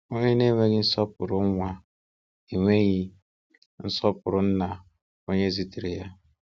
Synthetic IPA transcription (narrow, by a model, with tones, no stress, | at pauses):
o˦ɲe˦ne˦ŋʷe˦ɣi˦n̩˦sɔ˦pʊ˨ɾʊ˦ŋʷa˦ | e˨ŋʷe˦ɣi˦ | n̩˦sɔ˦pʊ˨ɾʊ˨n̩˦na˨ | o˦ɲe˦zi˦ti˨ɾe˨ja˦